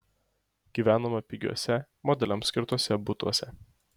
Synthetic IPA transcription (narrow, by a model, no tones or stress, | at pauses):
ɡ̥ʲiːʋʲæːnomɐpʲɪɡʲṵɔsʲɛ | mɔd̪ʲɛlʲɛmsʲkʲɪɾt̪uɔsʲɛbʊt̪uɔsʲɛ